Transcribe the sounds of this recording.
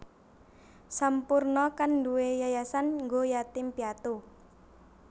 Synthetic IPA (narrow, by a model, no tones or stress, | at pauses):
sampurnɔkanduwejajasanŋɡojat̪ɪmpiat̪u